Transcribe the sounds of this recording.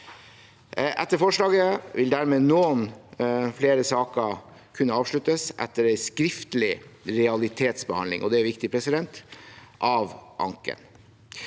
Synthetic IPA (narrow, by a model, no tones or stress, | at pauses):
ʔɛ̰t̪ːəɾfɔʂlɑːɡəʋɪld̪æɾmeːnoːnfleːɾəsɑːkə | kʰʉnːəɑːʋʂɭʉt̪əsʔɛ̰t̪ːəɾæɪskɾɪft̪əlɪɾɛɑlɪt̪ʰeːt̪sbəhɑ̰nd̪lɪ̰ŋʔɔd̪ɛæɾʋɪkt̪ɪpʰɾɛsɪd̪ɛnt̪ʔɑʋʔɑ̰ŋkə̰n